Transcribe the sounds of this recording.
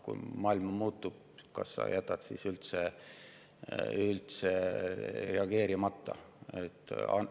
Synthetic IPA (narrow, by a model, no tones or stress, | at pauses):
kṵjmɑːilmɑmuːt̪ːub̥̚ | kɑ̰sːɑ̰jʔæt̪ːˑɑt̪sḭsylt̪se | ylt̪se | re̞ɑɡ̥e̞ːɾimɑt̪ːɑ̰ | et̪ːɑ̰n